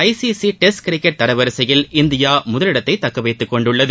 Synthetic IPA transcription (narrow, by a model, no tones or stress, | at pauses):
ɐɪsisiʈɛskɾɪkːɐʈ̚t̪ɐɾɐʋɐɾɯsɐjɪlɪnd̪ɪjaːmʊðɐlɪɽɐt̪ːɐɪt̪ːɐkːɐʋɐɪt̪ːɯkːɔɳɖɯɭːɐðɯ